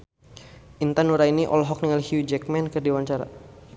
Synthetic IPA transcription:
ʔint̪anuɾainiʔɔ̰lɦɔk̚niŋalhjud͡ʒɛk̚mɛnkərdiwaɲt͡ʃaɾa̰

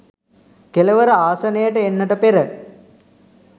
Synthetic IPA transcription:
keləʋəɾəaːsɐnejəʈəenːəʈəpeɾə

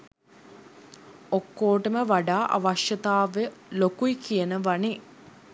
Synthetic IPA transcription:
okːoːʈəməʋaɖaːʔa̰ʋaʃjɐt̪aːʋelokuikijənəʋani

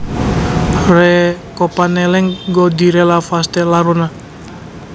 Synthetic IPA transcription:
rɛkɔpanɛlɛŋɡɔd̪iɾɛlafast̪ɛlaɾuna

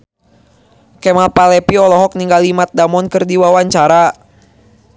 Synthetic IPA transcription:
kɛmalpalɛpiɔlɔɦɔk̚niŋɡalimat̪̚damɔnkɨrdiwawaɲt͡ʃaɾa

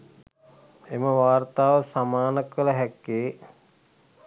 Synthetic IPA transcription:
eməʋaːrt̪aːʋəsamaːnəkʋələɦɛkːeː

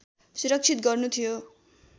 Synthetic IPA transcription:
suɾʌk̚t͡sʰit̪̚ɡʌrnut̪ʰijo

